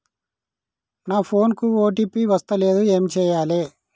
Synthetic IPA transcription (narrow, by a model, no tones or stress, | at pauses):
naːpʰo̞ːnkuoːʈ̬iːpiːʋɐst̪ɐle̞ːd̪ue̞ːmt͡ʃɛːjaːleː